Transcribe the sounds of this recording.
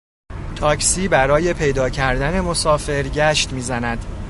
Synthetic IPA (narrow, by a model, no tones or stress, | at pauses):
t̪ʰɒːcʰsiːbæɾɒːje̞pʰe̞jd̪ɒːcʰæɾd̪æne̞mo̞sɒːfe̞ɾɟæʃt̪miːzænæd̪̥